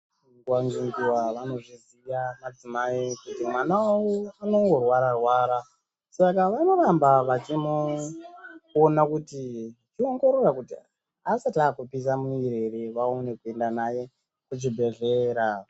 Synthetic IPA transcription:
ŋɡwaŋɡiŋɡiwaʋano̞ʐizijamad͡zimaikutimwanawawoano̞ŋɡorwaɾarwaːɾa | sakaʋanoɾambaʋat͡ʃimo | nakutit͡ʃio̞ŋɡo̞ɾorakuti | asataːkupis̬amuiɾe̞ɾeʋaone̞kue̞ndanaje̞ | kud͡ʒibʱe̞ʐe̞ːɾa

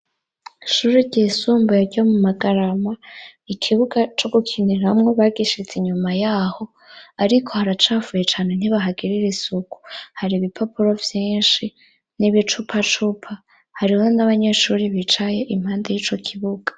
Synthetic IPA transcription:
ʃuːɾiɟeːsuːmbojaɾɟomumaɡaɾamaikʰiβuɡat͡ʃo̞ɡukʰiniɾamŋo̞βaɡiʃit͡siɲumajaːho̞ | aɾikʰo̞haɾat͡ʃaːvujet͡ʃaːne̞n̥iβaɦaɡiɾiɾisuku̥haɾiβipʰopuɾo̞vjiːnʃi | niβit͡ʃupʰat͡ʃupʰa | haɾihonaβaɲe̞ʃuːɾiβit͡ʃaje̞ʔim̥haːndejiːt͡ʃo̞kʰiβuɡ̥ḁ

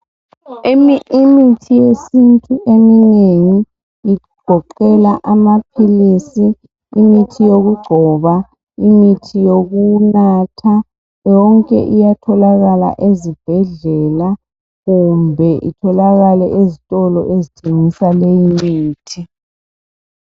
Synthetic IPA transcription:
emiimitʰijesintʼuʔemineŋiː | ɡ̥ʱɔǃɛlaʔamapʰilisiː | mitʰijoɣuɡ͡ǀʱɔβa | imitʰijoɣunatʰa | jɔŋkʼɛ̰ʔijatʰɔlaɣala̰ʔezib̥ʱɛɮɛla | ɣumbʱɛʔḭtʰɔlaɣalɛʔezitʼɔlɔ̰ʔezitʰeŋisalejimiːtʰi

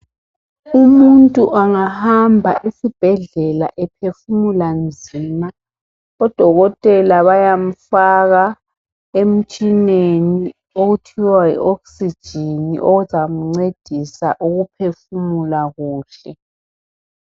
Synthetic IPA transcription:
umuntʼuʔaŋahambʱa̰ʔisib̥ʱɛɮɛla̰ʔɛpʰefumuland͡zʱiːma | ɔd̥ʱɔɣɔtʼɛlaβajam̩faɣa | em̩t͡ʃʼineni | oɣutʰiwaḭʔoksid̥ʒ̥ʱinḭʔoɣuzam̩ŋ͡ǀed̥ʱisa̰ʔuɣupʰefumulaɣuːɬɛ

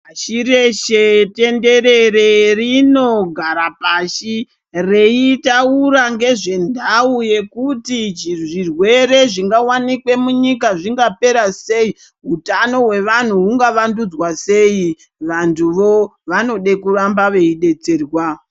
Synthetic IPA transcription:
aʃiɾe̞ʃete̞nde̞ɾererino̞ɡʱaɾapaʃi | re̞itauɾaŋɡe̞ʐe̞ndʱauje̞kutid͡ʒiʐirwe̞re̞ʐiŋɡawanikwe̞muɲikaʐiŋɡape̞ɾase̞i | ɦutano̞we̞ʋan̤uɦuŋɡaʋandud͡zwase̞i | ʋantʰuʋo̞ʋano̞ɗe̞kuɾambaʋe̞iɗe̞t͡seːrwa

